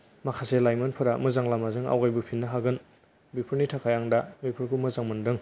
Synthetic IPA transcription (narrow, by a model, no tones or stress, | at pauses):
makʰaselajmɐnpʰɯɾamɯzaŋlamazɯŋa̰wɡajbupʰinːaɦaɡɯn | bipʰɯɾnitʰakʰajaŋdamipʰɯɾkʰumɯzaŋmɯndɯŋ